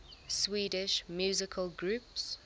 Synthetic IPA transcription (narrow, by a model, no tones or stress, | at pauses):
swiːdɪʃmjuːzɪkʰəlɡɹuːˑps